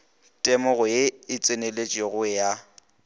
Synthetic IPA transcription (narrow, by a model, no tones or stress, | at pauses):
tʼɛmɔɣʊeɪt͡sʼɪnelet͡ʃʼeɣʊɛja